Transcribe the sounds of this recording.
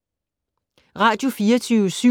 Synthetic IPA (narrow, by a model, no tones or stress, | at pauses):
ʁɑ̈ːd̥jo̝fiːɐt͡sʰyːʊəsy